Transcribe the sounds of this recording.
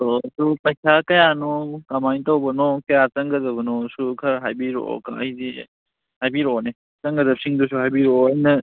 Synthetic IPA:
tɔsupɐjsakɐjanɔkɐmajntɐwbɐnɔkɐjat͡ʃɐŋɡɐdɐbɐnɔsukʰɐɾɦajbiɾo̰ka̰ɐjzi | hajbiɾone | t͡ʃɐŋɡɐdɐbsiŋdusuhajbiɾoɐjnɐ

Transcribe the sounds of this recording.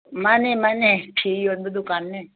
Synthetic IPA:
mãnemaneʈʰijonbed̪ʊkaːnːe

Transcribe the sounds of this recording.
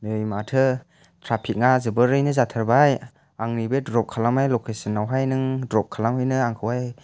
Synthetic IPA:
nɯjmatʰɯ | tʰɾapʰik̚ŋazɯbɯɾɯjnɯzatʰaɾbaj | aŋnibedɾɔp̚kʰalamajlokʰesɯnːawɦajnɯŋdɾɔp̚kʰalamhɯjnɯaŋkʰɯwaj

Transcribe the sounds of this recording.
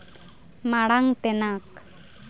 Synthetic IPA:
maɽaŋt̪ɛnak

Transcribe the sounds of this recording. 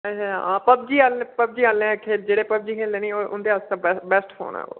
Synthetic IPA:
ət͡ʃʰaɦã̰ːpəb̚d͡ʒiːalpəb̚d͡ʒiːalɛ̃kʰeːd͡ʒeːɽeːpəb̚d͡ʒiːkʰeːleːnĩːoːʔʊ̰nd̪eːaːst̪ãːbɛbɛsʈho̰ːɳã̰ːo̰ː

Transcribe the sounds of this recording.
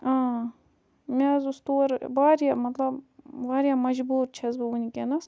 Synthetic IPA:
ãː | mʲezust̪oːɾbaːɾjamɐt̪lɐbbaːɾjamɐd͡ʒbuːɾt͡ʃʰɐzbɨunikenɐs

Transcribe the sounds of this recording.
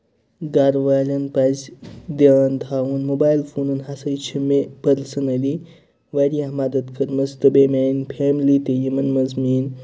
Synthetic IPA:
ɡaɾʋaːlʲɐnpɐzʲd̪ent̪ʰaːunmobaːjlfʰuːnɐnɦasɐjt͡ʃʰimepɐɾsɐnɐd̪i | ʋaɾiɦɐmaːd̪ɐt̪kʰɐɾmɐst̪ɨbeːmaːnpʰeːmlit̪ejɐmɐnmɐzmiːn

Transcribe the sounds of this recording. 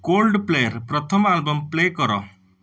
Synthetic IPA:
kolɖplejʌɾpɾʌt̪ʰʌmalbɔmplekɔɾɔ̰

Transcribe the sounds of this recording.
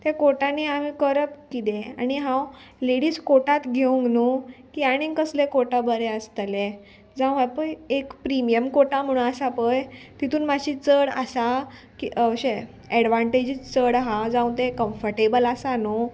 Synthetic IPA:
t̪ekoʈaniamikəɾəpkit̪ẽaɽ̃iɦãw | leɽiːskoʈat̪ɡʱeũŋɡnukiaɽ̃inkəslekoʈabəɾeəst̪le | d͡zãw̃apəjekpɾimijəmkoʈam̤əɽ̃ũasapəjt̪it̪uːnmaɕit͡səɽasa | kiʔəɕe | ɛɽʋaɳʈed͡ʑit͡st͡səɽɦad͡zãw̃t̪ekə̃mfəɾʈebəlasano

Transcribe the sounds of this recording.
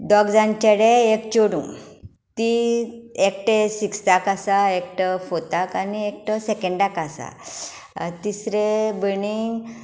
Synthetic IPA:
ɖɔɡd͡zãɲt͡ɕeɽeekt͡ɕoɽṵ̃ | t̪i | ek̚ʈesikst̪akasaekʈəfot̪akaniek̚ʈəsekẽɳɖakasa̰ | t̪isɾebəniŋɡ

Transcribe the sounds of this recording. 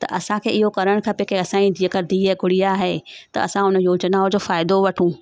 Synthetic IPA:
t̪ɐ̰ʔɐsãkʰeːɪɦokɐɾəɽ̃kʰɐpekeɐsãːid͡ʑiəkəɾd̪iɦɛɡʱʊɽijaːɦeːt̪ɐ̰ɐ̰sãʊnjoːd͡ʑnaːod͡ʑoːfaːɪd̪oʋɐʈʰũ

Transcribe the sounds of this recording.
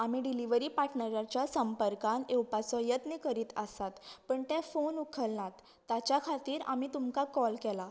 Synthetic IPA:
amiːɖiliʋəɾiːpaʈʰɳəɾjat͡ɕjasəmpəɾkãneupat͡sɔjət̪nikəɾiːt̪ə̰sat̪pəɳt̪ɛ̃fonukʰəlnat̪ːat͡ɕjakʰat̪iːɾa̰miːt̪umkakɔlkɛla

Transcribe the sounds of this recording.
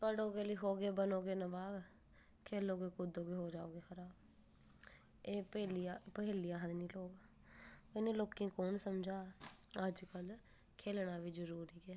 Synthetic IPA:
pəɽoːɡeːliːɦoːɡeːbənoːɡeːnəbaːb | kʰeːloːɡeːkʊd̪oːɡeːɦoːd͡ʒaːoːɡeːxʰəɾaːb | eːpəliapəɦeːlijãːɦəd̪nĩːloːɡa | eːnẽːloːkĩːkoːnsəmd͡ʒaːəd͡ʒkəl | kʰeːlɳaːʋiːd͡ʒəɾuːɾiːɡɛː

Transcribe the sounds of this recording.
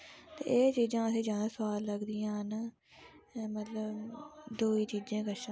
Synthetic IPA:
t̪eːʔeːt͡ʃiːd͡ʒãːəsĩːd͡ʒãːnãːsʊʋaːlːəɡd̪ijãːɦən | mət̪ləbd̪uːiːt͡ʃiːd͡ʒẽːkəʃã

